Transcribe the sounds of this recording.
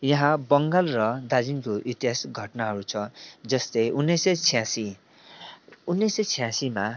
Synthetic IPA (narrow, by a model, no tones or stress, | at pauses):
jʌɦãbʌŋɡalrʌd̪ad͡zinkoʔit̪iɦasɡʱʌʈnaɦʌɾut͡sʰʌd͡zʌst̪ejʔunːesʌt͡sʰijãsi | unːesʌt͡sʰijãsima